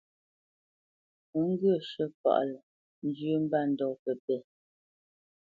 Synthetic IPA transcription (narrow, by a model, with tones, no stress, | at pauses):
ə˨˦ŋ̩˦ɡɰə˦˨ʃə˦pa̰˨ʔlə˨ | n̩˦d͡ʒʉ˦m̩˦ba˦˨n̩˨dɔ˨pə˨pɛ˨